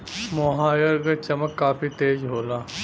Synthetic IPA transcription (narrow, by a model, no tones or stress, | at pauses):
moɦaːjəɾkat͡ʃɐməkːaːpit̪eːd͡ʒɦoːlaː